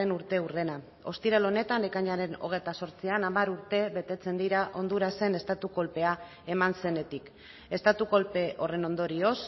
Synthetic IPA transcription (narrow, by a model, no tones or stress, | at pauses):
enuɾt̪e̞ure̞na | o̞st̪iɾelo̞ne̞t̪anlekaɲaɾe̞no̞̰ɣ̞e̞jt̪aso̞ɾt͡sianamaɾuɾt̪e̞βe̞t̪e̞t͡se̞nd̪iɾaʔo̞nd̪uɾase̞ne̞st̪at̪uko̞lpe̞a | e̞manse̞ne̞t̪ik | e̞st̪at̪uko̞lpe̞ʔo̞re̞no̞nd̪o̞ɾio̞s